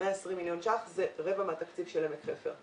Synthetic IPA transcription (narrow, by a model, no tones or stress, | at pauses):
eaesʁimːiljonʃaχzeʁevameat̪akt͡sivʃelemekʁefḛʁ